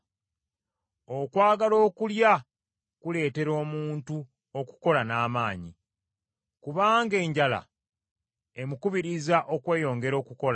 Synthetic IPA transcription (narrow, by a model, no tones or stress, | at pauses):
o̞kwaːɡalo̞ːkulja | kule̞ːte̞ɾo̞ːmuːntu | o̞ku̥ko̞lanaːmaːɲḭ | kuβaːŋɡe̞ːɲɟala̰ | e̞mukuβiɾizaʔo̞kwe̞ːjo̞ːŋɡe̞ɾo̞ːkuko̞la